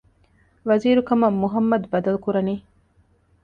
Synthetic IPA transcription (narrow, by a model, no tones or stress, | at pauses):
ʋɐziːɾukɐmɐːuɦɐmːɐd̪bɐd̪ɐlukuɾɐniː